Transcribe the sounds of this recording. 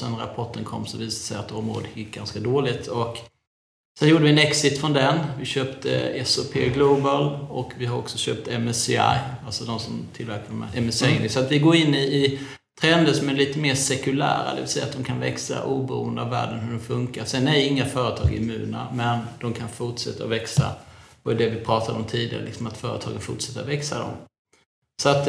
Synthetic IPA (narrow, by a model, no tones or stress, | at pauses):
sɛnɾa̰pʰɔʈːənkʰɔ̰mːsɔviːsad̪əsɛjat̪ːɔmɾo̰ːd̪ət̪ɪk̚ːɡanskad̪oːlɪt̪ʰɔk | sɛnjuːɖəvɪnɛksɪt̪fɾɔnd̪ɛnvɪɕøːpt̪ʰə̰ɛsɔpʰeːɡlobəlɔkvɪhaɾɔ̰ksɔɕø̰ːp̚t̪ɛmɛsa̰jalsɔd̪ɔmsɔmt̪ʰɪlvæɾkamɛ̰ʔɛmɛsɛŋnɪsɔat̪vɪɡoːɾɪnːɪː | t̪ʰɾɛnd̪əsɔmæliːt̪əmeːʂɛkɵlæ̰ːɾa̰d̪ɛ̰vɪsɛjːa̰t̪d̪ɔmkʰanvɛksa̰ʔuːbɛɾṵːənd̪əavːæ̰ːɖənhɵɖɛmfɵŋkaɾsɛnæɪŋːafœːɾət̪ʰɑ̰ːɡɪmʉ̟ːnəa̰mɛnd̪̥ɔmkʰanfʊʈʂɛt̪ːaɔvɛksa̰d̪ɛd̪ɛvɪpʰɾɑːt̪ʰad̪ɔmt̪ʰiːd̪ɪɡa̰ɾəlɪksɔmat̪fœːɾə̰t̪ʰɑ̰ːɡənfʊʈʂɛt̪ːavɛksad̪ɔ̰m | sɔat̪